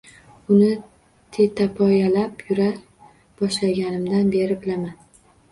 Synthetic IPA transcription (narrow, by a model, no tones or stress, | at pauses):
ʊnɪ | t̪ʰe̞t̪ʰapʰɒjalapjʊɾa | b̥ɒʃlaɡʲanɪmd̪anbe̞ɾɪblaman